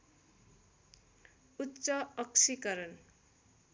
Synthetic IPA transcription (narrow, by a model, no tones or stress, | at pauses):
utːsʌʌksikʌɾʌn